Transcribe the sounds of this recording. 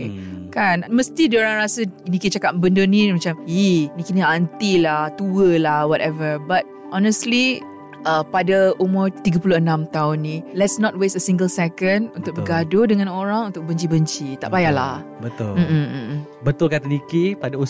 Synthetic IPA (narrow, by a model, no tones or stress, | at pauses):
kanməst̪idioɾaŋɾasənikit͡ʃakatbəndənĩmat͡ʃaminikiniant̪ilaht̪uəlahwɔtɛvəbat̪̚ | ʔɔnəstli | ʔəpadaumʊrt̪iɡapulʊənãmt̪aʊnːĩlɛtsnɔt̚wesəsĩŋɡəlsɛkənunt̪ʊk̚bəɡadodəŋãnoɾaŋunt̪ʊk̚bəɲt͡ʃibəɲt͡ʃit̪a̰ʔbajala̰hbət̪ʊ̰lm̩ʔ̩ʔ̩ | bət̪ʊlkat̪ənikipadau